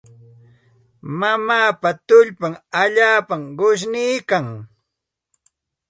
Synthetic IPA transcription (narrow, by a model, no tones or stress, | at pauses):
mamaːpat̪ʊʎpaŋaʎaːpamɢʊʃ̬nijkaŋ